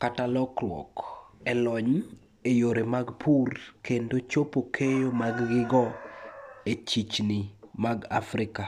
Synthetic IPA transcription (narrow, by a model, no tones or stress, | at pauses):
katalɔklwɔ̰kɛlɔɲ | ejoɾemaɡpʰurkendot͡ʃopokʰejomaɡːɪɡɔ | et͡ʃit͡ʃnimaɡafɾɪka